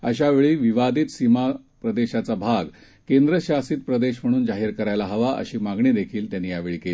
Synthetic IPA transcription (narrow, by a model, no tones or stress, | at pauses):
əɕaʋeɭiːʋiʋad̪iːt̪sima | pɾəd̪eɕat͡sabʱaɡ | kend̪ɾəɕasiːt̪̚pɾəd̪eɕm̤əɽ̃uːnd͡zaɦiːɾkəɾajlaɦəʋaʔə̰ɕiːmaɡɳid̪ekʰiːlt̪janːiːjaʋeɭikeli